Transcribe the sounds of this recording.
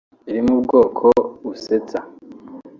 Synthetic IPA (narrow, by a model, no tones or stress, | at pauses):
iɾimubɡo̞ːkʰouset͡sa